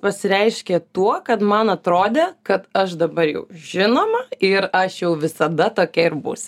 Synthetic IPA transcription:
pɐsʲɪɾʲɛɪʃʲkʲet̪uɔkɐt̪mɐnɐt̪ɾoːd̪ʲekɐt̪ɐʃd̪ɐbɐɾjɛ̰ʊʒʲɪnoːmɐɪɾɐʃjɛʊʋʲɪsɐd̪ɐt̪oːkʲɛɪrbʊ̰sʲ

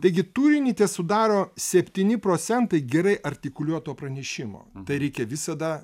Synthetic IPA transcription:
t̪ɐɪɡʲɪt̪uːɾʲɪnʲiːt̪ʲɛːsʊd̪ɑːɾoːsʲɛpʲt̪ʲiːnʲɪpɾoːt̪sʲɛnt̪ɐɪɡʲɛɾɐɪʔɐɾʲt̪ʲɪkʊlʲuɔt̪oːpɾɐnʲɛʃʲɪmo̰ːt̪ɐɪɾʲɛɪkʲɛʋʲɪsɐd̪ɐ

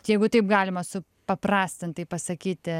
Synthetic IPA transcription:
jɛɪɡʊt̪ɐɪpɡɑːlʲɪmɐsʊ | pɐpɾɑːsʲt̪ʲɪnt̪ɐɪpɐsɐkʲiːt̪ʲɪ

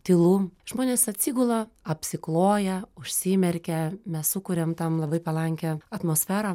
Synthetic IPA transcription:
t̪ʲɪlˠuːʒmoːnʲeːsɐt̪ʲsʲiːɡʊlˠoɐpʲsʲɪklˠoːjɛʊʃʲsʲiːmʲɛɾʲkʲɛmʲɛssʊkʊɾʲɛmt̪ɐmlˠɐbɐɪpɐlˠɐŋʲkʲɛɐt̪moːsʲfʲæːɾɐ

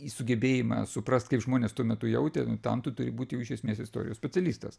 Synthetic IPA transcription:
isʊɡʲɛbʲeːjɪmɑ̰ːsʊprɐst̪kɐɪpʒmoːnʲeːst̪uɔmʲɛt̪ʊjɛʊt̪ʲɛnʊt̪ɐ̰mt̪ʊt̪ʊɾʲɪbuːt̪ʲjɛʊɪʃʲɛsʲmʲeːsɪst̪o̰ːɾʲɪjoːsʲpʲɛt͡sʲɛlʲiːst̪ɐ̰s

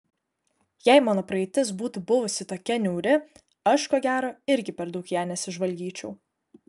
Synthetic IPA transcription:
jɛɪmɑːnoːpɾɐɛt̪ʲɪs̬buːt̪uːbʊʋʊsʲɪt̪oːkʲɛnʲuːɾʲɪ | ɐʃkoːɡʲæːɾoːɪɾʲɡʲɪpʲɛɾd̪ɒʊkjæːnʲɛsʲɪʒʋɐlʲɡʲiːt͡ʃʲɛʊ

